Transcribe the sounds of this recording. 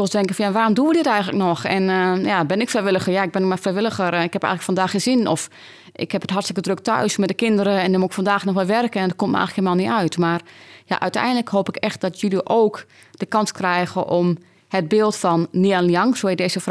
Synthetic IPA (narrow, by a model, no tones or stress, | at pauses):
ɪlˠsdɛŋkən̩fɔnjaʋaːɾɔmduədɪtɛjɣŋənləknɔxɛnjabɪnɪkfrɛjʋɪlˠəxəjaɪɡ̚bɪnəmafrɛjʋɪlˠəxəɾɪkhɛpɛ̰jxŋləkfɔndaːxəzinɔf | ɪ̰khɛpətɦartstɪkədrøk̚tœ̰ɥsmɛt̚dəkɪndəɾəɛndɪmuɪkfɔndaːxnɔxʋɛlˠʋɛrkəɛndɔt̚komtmʔɛ̰jxləkhelmaːlˠniœɥtmarja̰ʔœɥtɛ̰jndələkɦoːpɪkɛxt̚d̥ɔtʰjyliʔoːk | d̥əkɑnskrɛjɣəʔɔm | həd̚bɪːlˠtfɔnːianljɑŋsoɪdeːzəf